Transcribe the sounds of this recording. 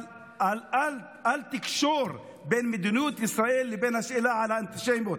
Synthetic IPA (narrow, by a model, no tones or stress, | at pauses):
lʔal | alt̪ɪkʃoːɾˤ | beːnmɪd̪ɪnuːt̪ʔɪsɾaʔiːlːɪbeːnʔaʃʔɪlaʕalaʔɪnt̪ɪʃejmot̪